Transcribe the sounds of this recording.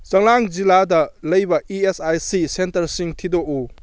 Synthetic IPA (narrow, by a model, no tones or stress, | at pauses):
t͡ʃɐŋlaŋd͡ʒiladɐlɐjbɐiesajsisentɐɾsiŋtʰidoʔo